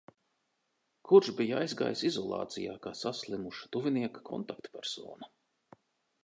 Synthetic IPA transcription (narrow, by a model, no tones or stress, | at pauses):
kʰuɾʃbijajzɡa̰ːjsizɔlˠɑ̰ːt̪sija̰ːkaːsaslˠimuʃḁt̪uviniɛkḁkʰɔ̰nt̪ak̚t̪pʲæɾsɔ̰ːna